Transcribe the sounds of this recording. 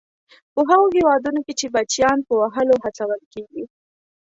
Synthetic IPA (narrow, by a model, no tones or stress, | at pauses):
pəɦaɣoɦewɑd̪unoket͡ʃebat͡ʃjɑnpəwaɦəloɦat͡sawəlkeɡi